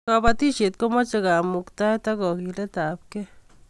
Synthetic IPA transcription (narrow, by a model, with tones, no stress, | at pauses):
ka˧ba˧t̪i˦ʃi˨t̪̚ko˦ma˦t͡ʃa˧ɡa˨mu˨kt̪a˦t̪a˦ɡo˨ɡi˧le˦t̪a˨p̚ke˦